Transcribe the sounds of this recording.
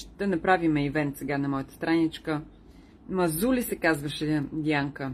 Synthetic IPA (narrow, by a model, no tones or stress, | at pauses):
ʃt̪ɛnɐpɾavimɛivɛnt̪sɛɡanɐmɔjət̪ə̥st̪ɾanit͡ʃkə | mɐzulʲisɛkazvəʃɛd̪iaŋkə